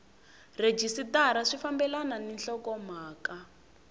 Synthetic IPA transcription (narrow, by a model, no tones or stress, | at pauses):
red͡ʒisitaɾaʂifambɛlananinɬɔkɔm̤aːka